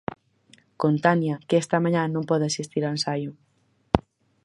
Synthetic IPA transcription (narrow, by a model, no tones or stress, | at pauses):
kont̪anjakest̪ɐmaɲãnõmpɔðasist̪iɾaansajʊ